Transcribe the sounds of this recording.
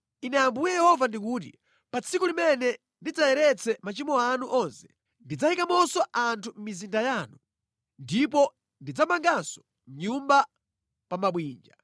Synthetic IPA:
inɛjambujɛjɛhɔvandik̬uːt̬ḭ | pat͡sʰikulimɛnɛ | ndid͡zajɛɾɛt͡sʰɛmat͡ʃimɔanuʔɔnsɛ̥ | ndid͡zahikamɔsɔantʰum̩mizindajaːnu | ndipɔ | ndid͡zamaŋɡansɔ̥ | m̩ɲumba | pamaɓwiːnd͡ʒa

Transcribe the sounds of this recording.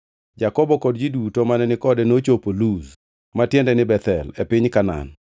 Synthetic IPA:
d͡ʒakɔbɔkɔdd͡ʒidutomanɛnɪkɔdɛnot͡ʃopoluz | matjɛndɛnɪbɛt̪ɛ̰lɛpɪɲkana̰n

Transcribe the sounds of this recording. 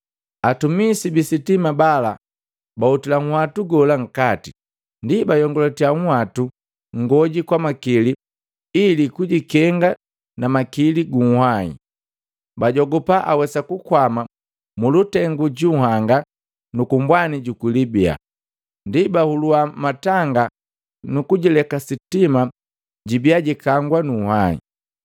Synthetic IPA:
atumisibisitimabala̰ | bautilaŋ̩hwatuɡɔlaŋ̩kati | ndibajɔŋɡɔlɔtiaŋ̩watu | ŋ̩ɡɔɟikwamakili | ilikuɟikɛŋɡa | namakiliɡuŋ̩hwaḭ | baɟɔɡɔpaʔawɛsakukwama | mulutɛŋɡuɟuhaŋɡa | nukumbwaniɟukwilibia̰ | ndibahuluamataŋɡa | nukuɟilɛkasitima | ɟibiaɟikaŋɡwanuhaḭ

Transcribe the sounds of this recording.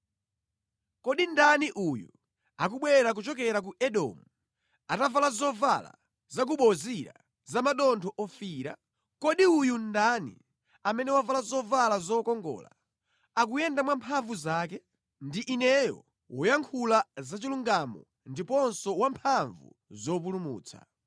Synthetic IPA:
kɔɗindaniʔujṵ | ak̬uɓwɛɾak̬ut͡ʃɔkɛɾak̬uʔɛɗɔ̰mu | atavalazɔvala̰ | zak̬uɓɔziɾa̰ | zamaɗɔntʰɔʔɔfiːɾa | kɔɗiujundanḭ | amɛnɛwavalazɔvalazɔkɔŋɡɔ̰ːla̰ | ak̬ujɛndamwampʰaɱvuzaːkɛ | ndiʔinɛjɔ̰ | wɔjaŋkʰulazat͡ʃiluŋɡamɔ̰ | ndipɔnsɔwampʰaɱvṵ | zɔp̬ulumṵːt͡sʰa̰

